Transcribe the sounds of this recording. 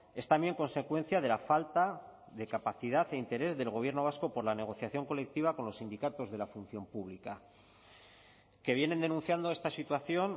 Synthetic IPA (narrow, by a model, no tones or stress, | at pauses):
e̞st̪ambje̞ŋko̞nse̞kwe̞n̟θjað̞e̞lafalt̪a | ðe̞kapaθiðaθe̞int̪e̞ɾe̞zðe̞lɣ̞o̞β̞je̞ɾno̞βasko̞po̞ɾlane̞ɣ̞o̞θjaθjo̞ŋko̞le̞k̚t̪iβ̞ako̞nlo̞sind̪ikat̪o̞zðe̞lafun̟θjo̞mpuβlika | ke̞β̞jene̞nd̪e̞nũn̟θjand̪o̞e̞st̪asit̪waθjo̞n